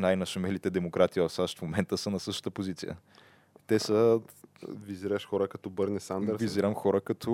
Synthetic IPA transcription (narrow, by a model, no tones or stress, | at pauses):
najnɐʃɐmɛlit̪ɛd̪ɛmokɾat̪ivɐfsaʃt̪fmomɛnt̪əsənɐsɤʃt̪ə̥t̪əpozit̪sḭjə̰ | t̪ɛsə | viziɾəʃxɔɾəkɐt̪ɔbɤɾnɛsand̪əɾviziɾəmxɔɾəkɐt̪ʰɔ